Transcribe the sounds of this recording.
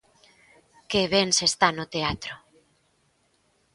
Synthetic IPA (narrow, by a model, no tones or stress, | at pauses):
keβensest̪anot̪eat̪ɾo